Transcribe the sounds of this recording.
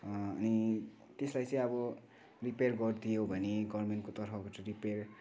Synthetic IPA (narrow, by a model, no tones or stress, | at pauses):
ʌni | t̪eslajt͡sʌ̃ĩʌbʌ | riperɡʌrd̪ijobʱʌneɡʌrmenʈkot̪ʌrpʰʌbʌt͡sʌɾiper